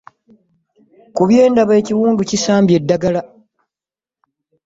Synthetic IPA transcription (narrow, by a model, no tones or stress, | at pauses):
kuβje̞ːndaβeciwuːnducisaːmbje̞dːaɡala